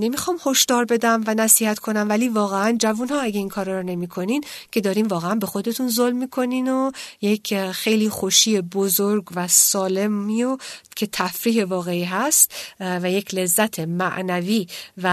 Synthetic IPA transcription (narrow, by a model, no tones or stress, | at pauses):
ne̞mixɒːmho̞ʃd̪ɒːɾbe̞d̪æmvænæsiːhæt̪kʰo̞næmvæliːvɒːɣeænd͡ʒævunhɒːæɡeiːnkʰɒːɾɒɾɔne̞miːkʰo̞nincʰe̞d̪ɒːɾiːmvɒːɣeænbe̞xo̞d̪e̞t̪ʰunzolmːiːkʰo̞niːnojecʰxe̞jliːxoʃiːebozoɾɡvæsɒːle̞miocʰe̞t̪ʰæfɾiːɦe̞vɒːɣeiːɦæst̪væjecʰle̞zːæt̪ʰe̞mæʔnæviːvæ